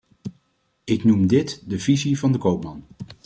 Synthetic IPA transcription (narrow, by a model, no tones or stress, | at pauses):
ɪknumdɪtdəv̥izivɑndəkowpmɑn